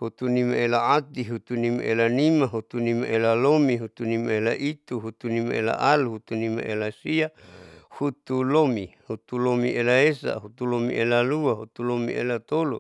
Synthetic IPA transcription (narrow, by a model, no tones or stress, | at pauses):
hut̪unimaelaat̪iɦut̪unima̰ʔelanimaɦut̪unimaʔelalomiɦut̪unimaelaʔit̪uɦut̪unima̰ela̰ʔaluɦut̪unima̰ʔelasiahut̪ulomihut̪ulomiʔelaesa̰ɦut̪ulomḭʔelaluaɦut̪ulomḭʔḛlat̪olu